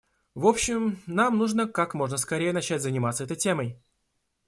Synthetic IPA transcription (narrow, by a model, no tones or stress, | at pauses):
vo̞pɕɪmnamnuʐnəkakmo̞ʐnəskɐɾʲejənɐt͡ɕætʲzənʲɪmat̪səɛt̪əjtʲeməj